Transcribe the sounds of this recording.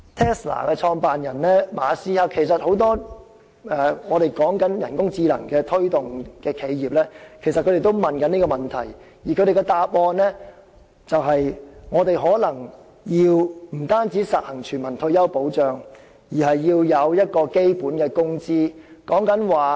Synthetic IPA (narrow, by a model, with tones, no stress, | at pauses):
t̪ʰɛː˥sla̰ː˨˩kɛː˧t͡ʃʰɔː˧ŋpaː˨njɐ˨˩nlɛː˥maː˨˧siː˥hɐ˥kʰe˨˩jsɐ˨t̚ho˨˥wt̪ɔː˥ | ɛː˨ŋɔː˨˧ɾe˨˩jkɔː˨˥ŋkɐ˨˥njɐ˨˩nkʊ˥ŋt͡siː˧lɐ̰˨˩ŋkɛː˧t̪ʰɵ˥ɥt̪ʊ˨ŋkɛː˧kʰe˨˧jjiː˨p̚lɛː˥kʰe˨˩jsɐ˨t̚kʰɵ˨˧ɾe˨jt̪o˥wmɐ˨nkɐ˨˥ni˥kɔː˧mɐ˨˩nt̪ʰɐ˨˩j | jiː˨˩kʰɵ˨˧ɾe˨jkɛ˧t̪aː˨˧p̚ʔɔː˧nlɛː˥ | t͡sɐ˨wɦɐ˨jŋɔː˨˧t̪e˨jɦɔː˨˥lɐ˨˩ŋ | jiː˧wm̩˨˩t̪aː˥nt͡siː˨˥sɐ˨t̚hɐ˨˩ŋt͡ʃʰyː˨˩nmɐ˨˩nt̪ʰɵ˧ɥjɐ˥wpo˨˥wt͡ʃœː˨ŋ | jiː˨˩ɦɐ˨jːiː˧wjɐ˨˧wjɐ˥t̚kɔː˧ke˥jpuː˨˥nkɛː˧kʊ˥ŋt͡siː˥kɔː˨˥ŋkɐ˨˥nwaː˨